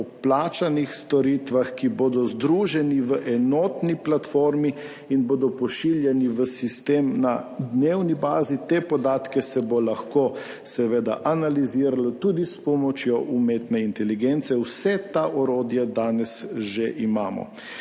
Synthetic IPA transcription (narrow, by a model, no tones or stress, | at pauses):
ɔplaːt͡ʃanixst̪ɔɾit̪ʋaxkiboːd̪ɔzd̪ɾuːʒɛniʋəʔɛnɔːt̪niplat̪foɾmi | inboːd̪ɔpɔʃiljɛniʋəsist̪eːmnad̪neːwnibaːzit̪epɔd̪aːt̪kɛsɛbolaxko | sɛʋeːd̪a̰ʔanaliziːɾalat̪ud̪ispɔmɔt͡ʃjɔʔumet̪nɛint̪ɛliɡent̪sɛwsɛt̪aʔɔɾoːd̪jɛd̪aːnɛsʒeʔimaːmɔ̰